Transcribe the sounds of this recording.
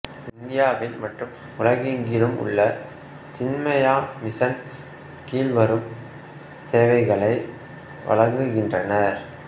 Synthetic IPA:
ɪnd̪ɪjaːʋɪlmɐʈrɯm | ʊɻɐɣɪŋɡɪɾɯmʊ̰ɭːɐ | t͡ʃɪnmɐjaːmɪsɐn | kiːlʋɐɾɯm | t̪eːʋɐɪɣɐɭɐɪ | ʋɐ̰ɭɐŋɡɯɣɪndrɐnɐɾ

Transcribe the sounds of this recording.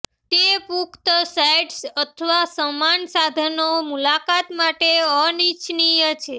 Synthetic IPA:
t̪epukt̪sajɖsət̪ʰəʋasəmansad̪ʱənomulakat̪maʈeənit͡ʃʰnijət͡ʃʰe

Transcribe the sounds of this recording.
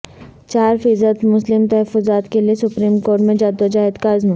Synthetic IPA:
t͡ʃaːɾfiːzəd̪mʊslɪmt̪ɐɦəfːʊzaːt̪keliesʊpɾiːmkoːɾʈmẽd͡ʒaːd̪ɐd͡ʒaːɦɪd̪kaːzmũ

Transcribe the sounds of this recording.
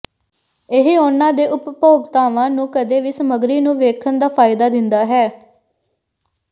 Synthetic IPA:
ɪɦeʊnãːd̪eːʔʊppoːɡt̪aːʋãːnũːkəd̪eːʋiːsəməɡɾiːnũːʋeːkʰənd̪aːpʰaːɪd̪aːd̪ɪnd̪aːɦɛː

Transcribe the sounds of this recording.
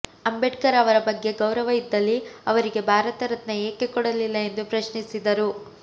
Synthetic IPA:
ɐmbeʈkɐɾɐʋɐɾɐbɐɡːe̞ɡɐwɾɐʋɐid̪ːɐlːiɐʋɐɾiɡe̞bʱaːɾɐt̪ɐɾɐt̪nɐeːke̞kɔɽɐlilːɐe̞nd̪upɾɐʃɳisid̪ɐɾu

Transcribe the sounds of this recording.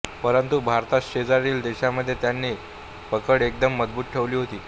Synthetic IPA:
pəɾənt̪ubʱaɾt̪aɕed͡zaɾiːld̪eɕaməd̪ʱːjet̪janːi | pəkəɽek̚d̪əmːəd͡zbuːt̪̚ʈʰeʋliːɦot̪iː

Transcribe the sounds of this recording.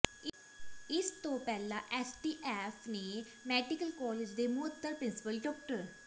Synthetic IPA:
ɪst̪õːpɛːlã̰ːʔɛːsʈiːʔɛːfʰneː | mɛːɖɪkəlkɔːlɪd͡ʒd̪eːmʊət̪ːəɾpɾɪnsɪ̥pəlɖɔːk̚ʈəɾ

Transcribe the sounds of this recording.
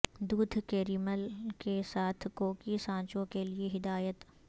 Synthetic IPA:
d̪uːd̪ʱkeːɾiːməlkesaːt̪ʰkoːkisãːt͡ʃõkelieɦɪd̪aːjət̪

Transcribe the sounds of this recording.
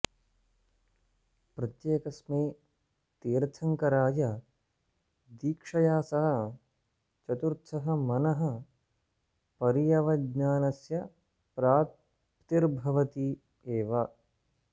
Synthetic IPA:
pɾɐt̪jeːkɐsmeː | t̪iːɾt̪ʰɐŋkɐɾaːjɐ | d̪iːkʂɐjaːsɐɦɐ̆ | t͡ʃɐt̪uɾt̪ʰsɐɦɐ̆mɐnɐɦɐ̆ | pɐɾijɐʋɐdɲaːnɐsjɐ | pɾaːt̪̚ | pt̪iɾbʱɐʋɐt̪i | eːʋɐ

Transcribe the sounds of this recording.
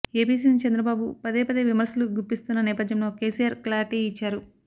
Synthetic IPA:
eːbiːsint͡ʃɐnd̪ɾɐbaːbupɐd̪eːpɐd̪eʋimɐɾsɐluɡuɾpːist̪unːɐnɛːpɐd̪jɐmlo̞ːke̞ːsijaːɾklaːɾiʈiit͡ʃːaːɾu

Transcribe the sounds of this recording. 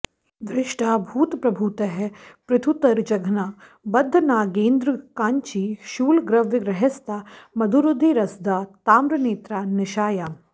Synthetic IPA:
ʋɾɪʃʈʰaːbʱuːt̪pɾɐbʱuːt̪ɐɦɛpɾɪt̪ʰut̪ɐɾd͡ʒɐɡʱnaː | bɐd̪ʱːɐnaːɡeːnd̪ɾəkãːɲt͡ʃiːʃuːlɡɾɐʋjɪɡɾɐɦɐst̪aːmɐd̪ʱuɾʊd̪ʱiːɾɐsd̪aːt̪aːmɾɐneːt̪ɾaːnɪʃaːjaː

